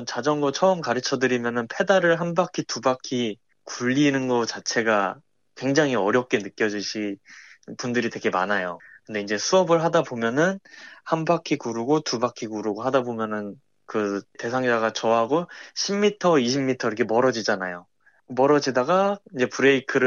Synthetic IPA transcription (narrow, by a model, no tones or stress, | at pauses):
nt͡ɕad͡ʑʌŋɡʌt͡ɕʰʌɯmkaɾɯt͡ɕʰʌdɯɾimjʌnɯnpʰe̞daɾɯɭɦanbakʰitubakʰi | kuʎːinɯnɡʌt͡ɕat͡ɕʰe̞ɡa | kwe̞ŋd͡ʑaŋɦiʌɾjʌp̚k͈e̞nɯk͈jʌd͡ʑuɕʰi | pundɯɾidwe̞ɡe̞ma̰najokɯnde̞ind͡ʑe̞sʰuʌbɯɭɦadabomjʌnɯnhanbakʰikuɾuɡotubakʰikuɾuɡoɦadabomjʌnɯn | kɯte̞sʰaŋd͡ʑaɡat͡ɕʌɦaɡoɕʰimmːitʰʌiɕʰimːitʰʌiɾʌkʰe̞mʌɾʌd͡ʑid͡ʑanajo | mʌɾʌd͡ʑidaɡaind͡ʑe̞puɾe̞ikʰɯɾɯ